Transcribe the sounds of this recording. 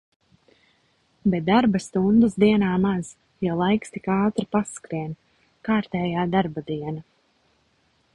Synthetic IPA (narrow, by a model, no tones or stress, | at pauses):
bɛt̪̚d̪aɾbast̪und̪ɨsd̪iɛnaːmaz̥ | jalˠajkst̪ikaːt̪ɾipaskɾiɛn | kaːɾt̪ɛːjaːd̪aɾbad̪iɛna